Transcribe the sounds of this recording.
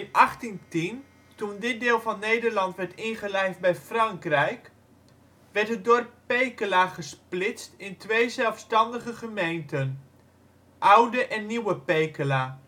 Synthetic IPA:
nɑχtintin | tundɪt̚dɪːlˠvɑnːejdərlɑntʋɛɹtɪnχəlɛjfd̚bɛjfrɑŋkrɛjk | ʋɛɹtɦət̚dorpː | ejkəlaːχəsplɪstɪntʋejzɛlˠfstɑndəχəχəmejntən | ʔawdəʔɛnːiwəpejkəlaː

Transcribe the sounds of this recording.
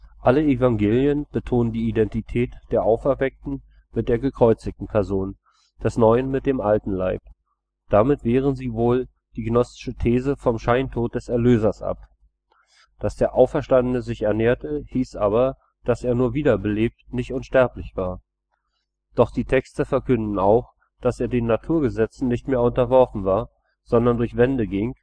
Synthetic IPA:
ʔaləevaŋɡeːljənb̥ətʰoːnəndiːidɛntitʰɛːtd̥eːɐʔaʊfɛɐvɛk̚tn̩ | mɪt̚d̥eːɐɡəkʁ̥ɔʏt͡sɪçtn̩pʰɛɐzoːn | d̥ɛsnɔʏənmɪt̚d̥eːmʔaltn̩laɪp̚ | d̥amɪtv̥eːʁ̞ənziːvoːl | d̥iːɡənɔstɪ̥ʃətʰeːzəfɔmʃaɪntʰoːt̚d̥ɛsɛɐløːzɐsʔa̰p | d̥asd̥eːɐʔaʊfɛɐʃtandənəzɪçɛɐneːɐtəhiːsʔaːbɐ | d̥aseːɐnuːɐviːdɐbəleːp̚tnɪçtʔʊnʃtɛɐplɪçv̥aːɐ | d̥ɔχd̥iːtʰɛkstəfɛɐkʰʏndn̩aʊx | d̥aseːɐdeːnːatʰuːɐɡəzɛt͡sn̩nɪçtmeːɐʊntɐvɔɐfn̩vaːɐ | z̥ɔndɐndʊɐçv̥ɛndəɡɪŋ

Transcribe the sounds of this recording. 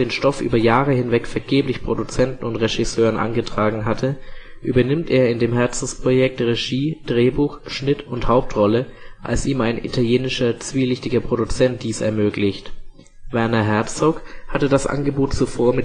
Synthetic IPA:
eːnʃtɔfʔy̰ːbɐjaːʁəhɪnvɛkfɛɐɡeːplɪçpʁ̥odut͡sɛntn̩ʊntʁeʒisøːʁənʔa̰nɡətʁ̥aːɡŋ̩ɦatʰə | ʔyːbɐnɪmteːɐɪndeːmɦɛɐt͡sn̩spʁ̥ojɛk̚tʁeʒiːd̥ʁeːbuːxʃnɪtʊnthaʊp̚tʁɔləʔa̰lsiːmaɪnʔḭtʰaljeːnɪʃɐt͡sv̥iːlɪçtɪɡɐpʁ̥odut͡sɛnt̚d̥iːsɛ̰ɐmøːklɪçt | vɛɐnɐɦɛɐt͡sokhatədasʔa̰nɡəboːtt͡sufoːɐmɪ

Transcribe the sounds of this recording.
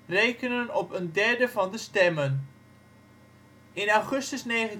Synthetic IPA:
rejkənənɔpəndɛɹdəvɑndəstɛmən | ɪnawχɵstəsnejχən

